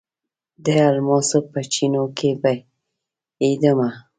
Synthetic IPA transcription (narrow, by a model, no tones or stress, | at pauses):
d̪ealmɑsəpət͡ʃinokeba | id̪əma